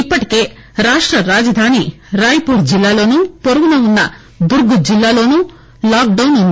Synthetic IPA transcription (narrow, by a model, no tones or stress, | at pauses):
ipːɐʈi̥ke̞ː | ɾaːʂʈɾɐɾaːd͡ʒɐd̪ʱaːni | ɾaːjɐpuːɾd͡ʒilːaːlo̞ːnuːpoɾuɡunɐunːɐ | d̪uɾɡud͡ʒilːaːlo̞ːnuː | laːk̚ɖɐwnund̪i